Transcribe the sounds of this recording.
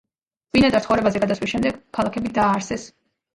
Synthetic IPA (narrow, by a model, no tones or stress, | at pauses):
vinad̪aɾt̪χɔɾɛbazɛɡad̪aswisʃɛmd̪ɛɡ̥kʰalˠakʰɛbid̪aːɾsɛs